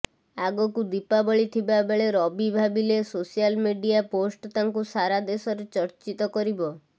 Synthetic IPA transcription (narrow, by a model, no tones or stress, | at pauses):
aɡɔkud̪ipabɔɭit̪ʰibabeɭeɾɔbibʱabilesosijalmiɖijaposʈɔt̪aŋkusaɾad̪esɔɾet͡ʃɔɾt͡ʃit̪ɔkɔɾibɔ